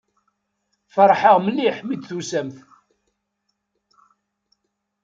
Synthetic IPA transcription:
fəɾˤħəʁmlːiħmid̪θusæmθ

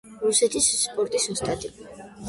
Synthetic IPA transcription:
ɾusɛt̪ʰisːpʼɔɾt̪ʼismst̪ʼat̪ʼi

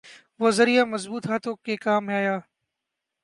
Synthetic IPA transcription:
ʋoːzɐɾijaːmɐzbuːt̪ɦaːt̪oːkekaːmːeaːjaː

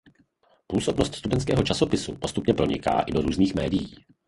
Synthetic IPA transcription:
puːso̞bnost̪st̪udɛnt̪skɛ̰ːɦo̞t͡ʃaso̞pɪsupo̞st̪upɲɛpɾo̞ɲɪ̰ka̰ːʔɪdo̞ɾuːzniːxmɛːdɪjiː

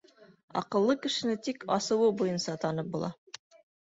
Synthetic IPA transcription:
ɑ̰qɤ̆lˠːɤkɘ̆ʃɘ̆nɘt̪ikʰɑsɤ̆wɤbujɤnsɑt̪ɑnɤp̚bulˠɑ̰

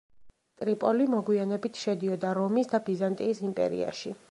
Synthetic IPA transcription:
t̪ʼɾipʼɔlimɔɡwianɛbit̪ʰʃɛd̪iɔd̪aɾɔmisd̪abizant̪ʼiːsimpʼɛ̰ɾḭa̰ʃi

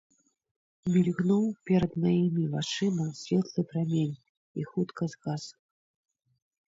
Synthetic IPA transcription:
mʲilʲɣnɔwpʲɛɾɐd̪majimʲivaʂɨnɐwsʲvʲɛt̪lˠɨpɾamʲen | ixut̪kɐzɣas

